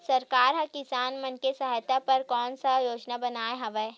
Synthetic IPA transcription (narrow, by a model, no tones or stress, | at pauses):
sɐɾkaːɾɦɐ̃kɪsaːnmɐ̃nkesɐɦaːjt̪apɐɾkɔːnsajoːd͡ʒnabɐnaːeɦɐʋɛ